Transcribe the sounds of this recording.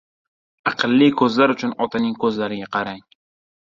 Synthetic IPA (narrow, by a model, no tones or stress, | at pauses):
ɑqʰɨlˠːikʰɵzlaɾʊt͡ʃʰʊnɒt̪ʰanɪŋkʰɵzlaɾɪɡʲaqʰɑɾaŋ